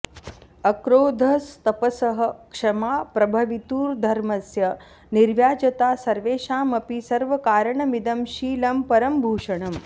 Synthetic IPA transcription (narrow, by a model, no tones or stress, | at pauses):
ɐkɾoːd̪ʱɐst̪ɐpɐsɐɦɐkʂɐmaːpɾɐbʱɐʋit̪uːɾd̪ʱɐɾmɐsjɐ | niɾʋjaːd͡ʒɐt̪aːsɐɾʋeːʃaːmɐpisɐɾʋɐkaːɾɐɳɐmid̪ɐmʃiːlɐmpɐɾɐmbʱuːʂɐɳ̃ɐm